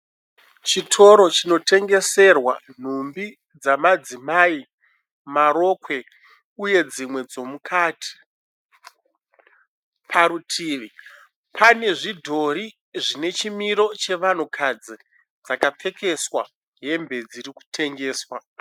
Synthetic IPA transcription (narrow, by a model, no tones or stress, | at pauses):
t͡ʃitʰo̞ɾo̞t͡ʃino̞tʰe̞ŋɡe̞se̞rwan̤umbi | d͡zamad͡zimai | maɾo̞kwe̞ | uje̞d͡zimwe̞d͡zo̞mukʰatʰi̥ | pʰaɾutʰiːʋi | pʰane̞ʐidʱo̞ɾi | ʐine̞t͡ʃimiɾo̞t͡ʃe̞ʋan̤ukʰad͡zi | d͡zakap͡fe̞ke̞swa | ɦe̞mbe̞d͡ziɾiku̥tʰe̞ŋɡeːswa